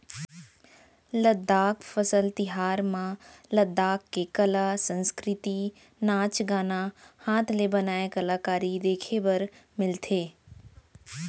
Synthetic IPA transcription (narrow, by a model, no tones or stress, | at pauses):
ləd̪aːkfɐsəlt̪ɪɦaːɾmãləd̪ːaːkːekɐlasə̃nskɾɪt̪i | naːt͡ʃɡaːnahaːt̪ʰlebɐnaːekɐlaːkaːɾid̪eːkʰebɐɾmɪlt̪ʰeː